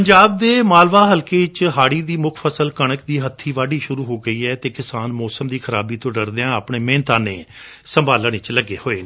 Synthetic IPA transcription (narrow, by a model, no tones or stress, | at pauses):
pəɲd͡ʒaːb̚d̪eːmaːlʋaːɦəlkeːt͡ʃɦaːɽiːd̪iːmʊkʰpʰəsəlkəɽ̃əkd̪iːɦət̪ʰːiːʋaːɖiːʃʊɾuːɦoːɡəiːɛːt̪eːkɪsaːnmɔːsəmd̪iːkʰəɾaːbiːt̪õːɖəɾd̪eãːəpɳeːmẽːnt̪aːnḛː | səmbaːləɳ̃ɪt͡ʃləɡːeːhoːeːnː